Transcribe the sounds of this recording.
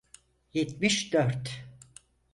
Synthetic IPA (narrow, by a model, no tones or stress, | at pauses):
jɛt̪miʃd̪øɾt̪